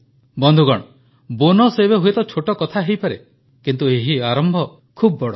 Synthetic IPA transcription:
bɔnd̪ʱuɡɔɽ̃ɔ | bonɔsebeɦuet̪ɔt͡ʃʰoʈɔkɔt̪ʰaɦejpaɾe | kint̪ueɦiaɾɔmbʱɔ | kʰubɔbɔɽɔ

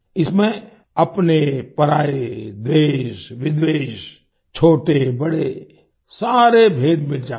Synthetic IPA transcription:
ɪsmẽ | ɐpnepəɾaːed̪eːʃʋɪd̪ʋeːʃ | t͡ʃʰoːʈebɐɽe | saːɾebʱeːd̪beld͡ʒaː

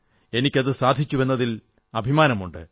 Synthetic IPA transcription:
e̞nikʲːɐðɨsaːd̪ʱit͡ɕːuʋe̞nːɐðil | ɐbʱimaːnɐmuɳɖɨ̰

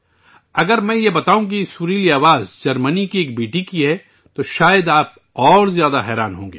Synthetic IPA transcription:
ɐɡəɾmɛ̃ːjebɐt̪aːũk̬isuːɾiːliaːʋaːzd͡ʒɐɾmənikieːk̚beːʈikiɦɛ | t̪oʃaːjəd̪aːp̚ | ɔːɾzjaːd̪aɦɛːɾa̰ːnɦõːŋɡḛː

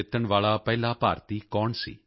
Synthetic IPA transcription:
ɪt̪əɳʋaːɭapɛːlapa̰ːɾt̪ikɔːɳsḭː

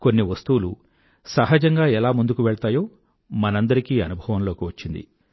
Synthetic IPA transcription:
konːiʋɐst̪uwulu | sɐɦɐd͡ʒɐŋɡaːɛlaːmund̪ukuʋɛɭt̪aːjo̞ː | mɐnɐnd̪ɐɾikiːɐnubʱɐʋɐmlo̞ːkiʋɐt͡ʃːind̪ḭ

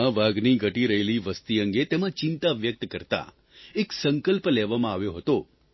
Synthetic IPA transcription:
əʋaɡniɡʱəʈiɾəɦeliʋəst̪iəŋɡet̪emãt͡ʃɪnt̪aʋjək̚t̪kəɾt̪a̰ | eksəŋkəlplɛʋamãaʋjoɦət̪o

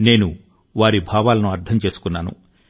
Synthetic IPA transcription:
ne̞ːnu | ʋaːɾibʱaːʋaːlɐnuɐɾt̪ʰɐmt͡ʃe̞ːsu̥kunːaːnṵ

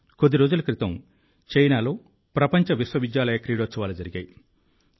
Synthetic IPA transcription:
kod̪ːiɾo̞ːd͡ʒulɐkɾit̪ɐm | t͡ʃɐjnaːlo̞ː | pɾɐpɐɲt͡ʃɐʋisʋɐʋid̪jaːlɐjɐkɾiːɽosɐʋaːlɐd͡ʒɐɾiɡa̰ːji

